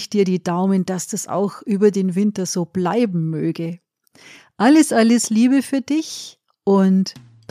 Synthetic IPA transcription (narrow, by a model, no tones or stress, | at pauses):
çd̥iːɐɾiːdaʊmənd̥asd̥asa̰ʊxʔyːbɐdeːnvɪntɐz̥oːb̥laɪbm̩møːɡə | ʔaləsʔaləsliːbəfyːɐdɪç | ʔʊnt